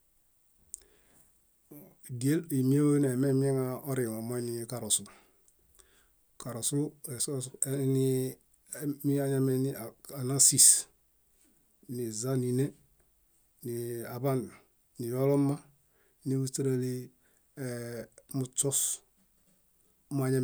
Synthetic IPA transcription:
ɡe˦li˨mi˦e˦we˦n˨e˨me˦m˦e˦ŋa˦o˦ɾi˨wo˨mo˦i˦ni˦˨ka˨ɾo˨su˨ | ka˨ɾo˨su˦e˨so˦sni˦ | mi˦a˦ɲa˦me˦ni˦˨a˨na˦si˨s | ni˨za˦ni˨ne˦ | ni˨a˨ba˦n˨ | ni˨jo˦lo˦ma˦ | ni˦wu˦ti˦ɾe˦li˦˨ | mu˨t͡ʃɔ˦s | m˦a˦ɲa˦˨

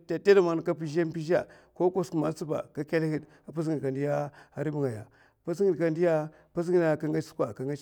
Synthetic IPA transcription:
ta˨te˦da˨ma˨n˨ka˦p̬i˦ʒa˦m˦pi˦ʒa˨ | ko˦ko˦sku˨ma˨t͡su˦ba̰˨ka˦ka˦lhi˨d | a˨pa˦sŋi˨a˨ndi˦ja˦a˨ɾi˦bu˦ŋa˨ja̰˨ | pa˦s̬ŋi˨dka˨ndi˦ja˦ | pa˦s̬ŋi˦da˨ka˦ŋɡa˦t͡ʃskwa˨ka˨ŋa˦

